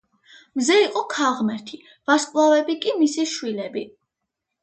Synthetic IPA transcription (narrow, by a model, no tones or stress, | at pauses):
mzɛiqʼɔkʰaʁmɛɾt̪ʰi | vaskʼlˠavɛbikʼimisiʃwilɛbi